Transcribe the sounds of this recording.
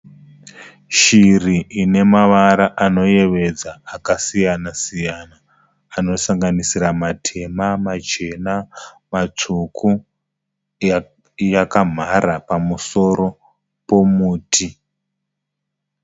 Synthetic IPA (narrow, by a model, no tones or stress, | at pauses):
ʃiriʔine̞maʋaɾaʔano̞je̞ʋe̞d͡zaːkasijanasijanaː | no̞saŋɡanisiɾamatʰe̞mamat͡ʃe̞na | mat͡ʂukʰu | jakam̤ʱaɾapamuso̞ɾo̞ | po̞muːtʰi